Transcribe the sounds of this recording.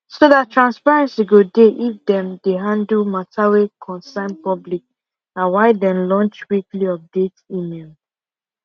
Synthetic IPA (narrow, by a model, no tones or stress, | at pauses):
sodattɹãnspaɹɛ̃nsiɡodeʔifdɛ̃mdeɦãndl̩matawekʰɔ̃nsãɪ̃npɔblik̚ | ãnwaɪdɛ̃mlɔ̃nt͡ʃwikliɔp̚detimel